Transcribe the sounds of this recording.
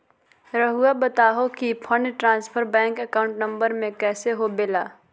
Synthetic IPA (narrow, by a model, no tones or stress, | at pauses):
ɾəɦuabət̪aːɦokipʰəɳɖʈɾãːnspʰəɾbɛ̃ːŋkəkaːʊ̃ɳʈnə̃mbəɾmẽkɛːseɦobeːlaː